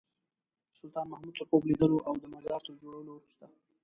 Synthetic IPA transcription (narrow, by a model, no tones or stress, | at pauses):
sʊlt̪ɑnmahmud̪̚t̪əɾpoblid̪əloʔawd̪əmɪɾd̪ɑɾt̪əɾd͡ʒoɽawəloɾʃt̪a